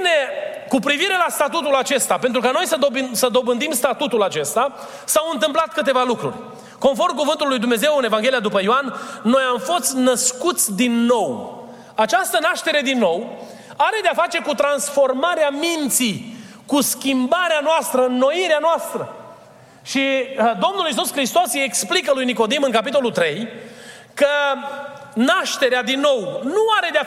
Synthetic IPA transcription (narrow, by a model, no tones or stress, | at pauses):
ne̞ | kupɾiviɾe̞last̪at̪ut̪ulat͡ʃe̞st̪ape̞nt̪ɾukano̞jsəd̪obsəd̪o̞bɨnd̪imst̪at̪ut̪ulat͡ʃe̞st̪a | sawɨnt̪ɨmplat̪kɨt̪e̞valukɾṵrʲ | ko̞nfo̞rmk̬uvɨnt̪ulːujd̪umne̞ze̞wɨne̞vaŋɡʲe̞liad̪upəjoanːo̞jamfo̞st̪ʲnəskut̪sʲd̪inːo̞w | at͡ʃast̪ənaʃt̪e̞ɾe̞d̪inːo̞w | aɾe̞d̪eafat͡ʃe̞kut̪ɾansfo̞rmaɾeamint̪sikuskʲimbaɾeanoast̪ɾəɨnːo̞iɾeanoast̪ɾə | ʃid̪o̞mnulis̬uskɾist̪o̞seksplik̬əlujniko̞d̪imɨnkapit̪o̞lult̪ɾe̞j | kə | naʃt̪e̞ɾead̪inːo̞wnuaɾe̞d̪ea